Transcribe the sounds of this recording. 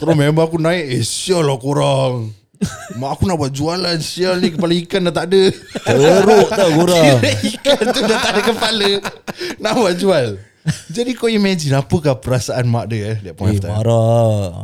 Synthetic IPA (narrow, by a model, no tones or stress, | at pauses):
t̪əɾɔmembaakunãiʔesialakoɾaŋ | maʔːkunaʔbuaʔ̪̚d͡ʒualansialnĩkəpalaikanaʔt̪aʔdəəoɾoʔt̪ɔkoɾaŋdaʔikant̪unat̪adəkəpalənaʔbuat̪̚d͡ʒual | d͡ʒadikojəmɛd͡ʒinapəkapəɾasaʔanmaʔdəjalaaʔpɔnaft̪aaɾa